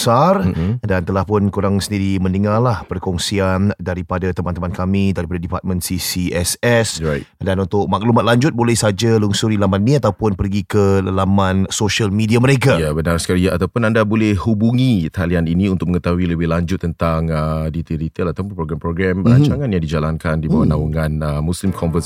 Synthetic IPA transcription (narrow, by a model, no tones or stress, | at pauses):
bsar̩dant̪əlahpʊnkuɾaŋsəndiɾimə̃nəŋarlahpərkɔŋsiandaɾipadat̪əmãnt̪əmãnkamĩdaɾipadadipat̪̚mə̃nsisiɛsɛsrajdanunt̪ʊk̚mak̚lumat̪̚laɲd͡ʒʊt̪̚bolɛhsad͡ʒaluŋsuɾilamaninĩat̪awpʊnpərɡikələlamãnsoʃalmidiaməɾekajabənarsə̥kaɾiaʔat̪awpʊnandabolɛhhubuŋit̪alianinĩunt̪ʊk̚məŋət̪aɦwiləbɪlaɲd͡ʒʊt̪ːənt̪aŋədit̪idit̪əlat̪əmpat̚pɾoɡɾɛmpɾoɡɾɛməɾaɲt͡ʃaŋanjãŋdid͡ʒalankandibawanauŋãnəmũslimkʰɔmfəs